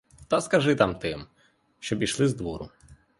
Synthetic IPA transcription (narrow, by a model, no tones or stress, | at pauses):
t̪ɐskɐʒɪt̪amt̪ɪm | ʃt͡ʃɔbiʃlˠɪzd̪ʋɔɾʊ̰